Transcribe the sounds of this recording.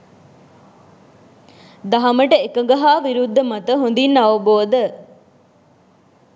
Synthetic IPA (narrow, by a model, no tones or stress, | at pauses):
d̪ɐɦɐməʈəekɐŋɡɐɦaːʋiɾud̪ːɐmɐt̪əɦond̪inːɐʋɐboːd̪ə